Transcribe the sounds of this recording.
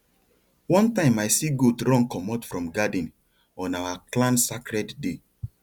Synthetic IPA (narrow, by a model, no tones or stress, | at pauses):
wɔ̃ntãɪ̃majsiɡodɹɔ̃ŋkɔmɔtfɹɔ̃mɡadĩn | ɔ̃nawaklãnsakɹɛdde